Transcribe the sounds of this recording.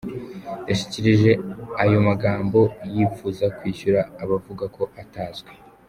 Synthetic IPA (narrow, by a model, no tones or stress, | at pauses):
jaʃi̥ciɾiʒe̞ajo̞maɡaːmbo̞jiːfuːzakwiːçuɾaːβavuɡako̞ʔataːzɡwe